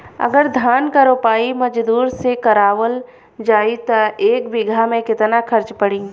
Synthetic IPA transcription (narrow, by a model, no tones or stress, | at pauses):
ɐ̰ɡəɾd̪ʱaːnkəɾoːpaːimɐd͡ʒd̪uːɾsekɐɾaːwəl | d͡ʒaːit̪ɐeːkbɪɡʱamẽkɪt̪nakʰɐɾt͡ʃpɐɽĩː